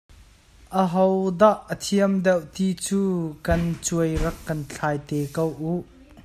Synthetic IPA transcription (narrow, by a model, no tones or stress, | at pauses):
ʔəɦɔwd̪aʔːət̪ʰiəmd̪ɛwt̪it͡suːkɐnt͡suəjrɐkːɐnt͡ɬʰaːjt̪ɛkowʔuʔ